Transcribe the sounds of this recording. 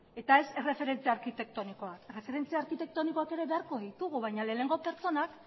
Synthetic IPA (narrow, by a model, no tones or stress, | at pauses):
e̞t̪ae̞sere̞fe̞ɾe̞nt͡siaɾkit̪e̞k̚t̪o̞niko̞akere̞fe̞ɾe̞nt͡siaːɾkit̪e̞k̚t̪o̞niko̞ake̞ɾe̞βe̞aɾko̞ðit̪uɣ̞uβajɲale̞ːne̞ŋɡope̞ɾt͡so̞nak